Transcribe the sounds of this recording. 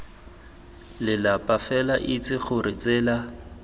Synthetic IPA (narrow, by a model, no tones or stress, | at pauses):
lɪlapʼafɛlaʔit͡sʼɪχʊɾɪt͡sɪːla